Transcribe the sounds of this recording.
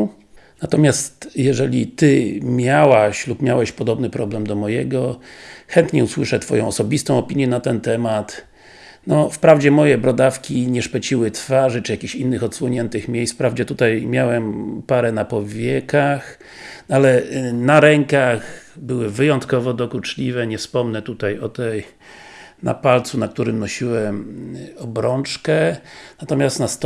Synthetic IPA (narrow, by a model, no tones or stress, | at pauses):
nat̪ɔmʲjast̪jɛʐɛlʲḭt̪ɘmʲjawaɕlupmʲjawɛɕpɔd̪ɔbnɘpɾɔblɛmd̪ɔmɔjɛɡɔxɛnt̪ɲɛuswɘʂɛt̪fɔ̰jɔ̃w̃ɔsɔbʲist̪ɔ̃w̃ɔpʲiɲjɛnat̪ɛnt̪ɛmat̪ | nɔfpɾavd͡ʑɛmɔjɛbɾɔd̪afkʲiɲɛʂpɛt͡ɕiwɘt̪faʐɘt͡ʂɨjakʲiɕinːɘxɔt̪swɔɲɛnt̪ɘxmʲjejsfpɾavd͡ʑɛt̪ut̪ajmʲjawɛmpaɾɛnapɔvʲjɛkax | alɛnaɾɛŋkaxbɘwɘvɘjɔnt̪kɔvɔd̪ɔkut͡ʂlʲivɛɲɛfspɔmnɛt̪ut̪ajɔt̪ɛj | na̰palt̪sunak̚t̪uɾɘmnɔɕiwɛmɔbɾɔnt͡ʂkɛnat̪ɔmʲjast̪nast̪